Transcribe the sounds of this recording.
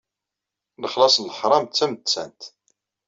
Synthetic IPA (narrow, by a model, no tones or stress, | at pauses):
ləχlɑsˤnləħɾˤɑmt͡sːæmt͡sːæ̰nt̪